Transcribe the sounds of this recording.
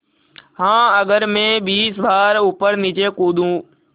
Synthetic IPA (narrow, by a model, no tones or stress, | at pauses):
ɦãːɐɠəɾmẽɓiːsʋaːɾʊpəɾnɪt͡ʃeːkuːd̪ʱũː